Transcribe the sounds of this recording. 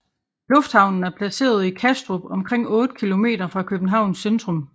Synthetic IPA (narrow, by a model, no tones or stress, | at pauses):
lɔ̽fd̥hɑ̈ʊ̰nn̩æɐpʰlæse̝̰ːɐð̞̩ˠikʰæsd̥ʁob̥ɒ̽mkʰʁeŋ̰ɔ̽ːd̥əkʰilo̝me̝̰ːd̥ɐfʁɑ̈kʰøb̥n̩ɦɑ̈ʊ̰nsend̥ʁɔ̽m